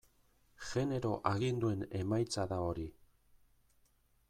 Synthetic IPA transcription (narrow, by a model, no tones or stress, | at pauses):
xe̞ne̞ɾo̞ʔaɣind̪ue̞ne̞majt͡saðao̞ɾi